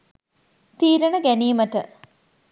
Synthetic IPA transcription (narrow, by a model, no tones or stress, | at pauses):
t̪iːɾəɳəɡæniːmətə